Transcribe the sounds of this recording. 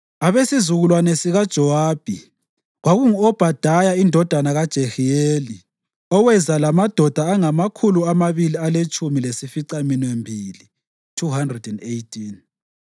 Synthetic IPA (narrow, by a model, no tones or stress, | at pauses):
aβesizuɣulwanesiɣad̥ʒ̥ʱɔwaːb̥ʱi | ɣwaɣuŋuɔb̥ʱad̥ʱajaindʱɔd̥ʱanaɣad̥ʒ̥ʱexieːli | ɔwɛzalamad̥ʱɔd̥ʱaːŋamakʰuluamaβilialet͡ʃʼumilesifiǀaminwembʱiːli | tʰuhandrɛdɛndejtʰin